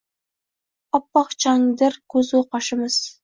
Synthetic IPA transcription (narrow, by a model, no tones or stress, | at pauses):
ɒpːɑqt͡ʃʰɑŋd̪ɪɾkʰɵzuqɑʃɪmɪz̥